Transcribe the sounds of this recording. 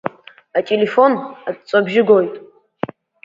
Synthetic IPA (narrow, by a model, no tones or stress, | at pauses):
atʲʼele̞fo̞natt͡sʼabʒɪɡo̞jtʼ